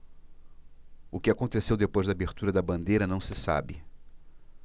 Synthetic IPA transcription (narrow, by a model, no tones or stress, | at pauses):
ʊkɪakõnt̪esewd̪epojzd̪ɐaːbeɾt̪uɾɐd̪ɐbɐ̃nd̪ejɾɐnɐ̃w̃sɪsa̰bɪ̰